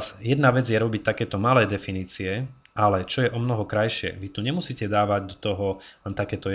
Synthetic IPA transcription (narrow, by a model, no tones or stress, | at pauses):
sjɛd̪naʋɛd͡zjɛɾɔbict̪akɛːt̪ɔmalɛːd̪ɛfiniːt͡siɛ | ʔalɛt͡ʃɔjɛʔɔmnɔɦɔkɾajʃɪɛ̰ʋit̪uɲɛmusiːcɛd̪aːʋaɟd̪ɔt̪ɔɦɔlɛnt̪akɛːt̪ɔ